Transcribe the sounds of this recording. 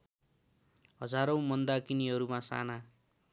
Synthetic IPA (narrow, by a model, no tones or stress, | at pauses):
ɦʌd͡zaɾʌ̃w̃mʌnd̪akiniɦʌɾumasa̰na